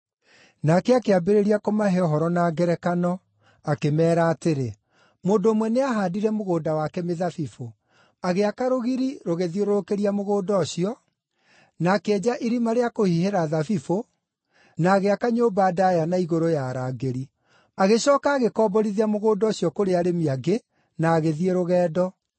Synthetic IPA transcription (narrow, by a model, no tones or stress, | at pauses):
nakɛakeabeɾeɾiakomaɦeɔɦɔɾɔnaːɡɛɾɛkanɔ | akemɛːɾaːteɾe | moːndoːmwɛneaɦaːdiɾɛmoɣoːdawakɛmeðafifo | aɣeakaɾoɣiɾiɾoɣeðioɾoɾokeɾiamoɣoːdɔɕiɔ | nakeɛːd͡ʑaʔiɾimaɾeakohiheɾaːðafifo | naːɣeakaɲoːbaːdajanaiɣoɾojaːɾaːɡeɾi | aɣeɕɔːkaːɣekɔːbɔɾiðiamoɣoːdɔːɕiɔkoɾeaɾemiaɡe | naːɣeðieɾoɣɛːdɔ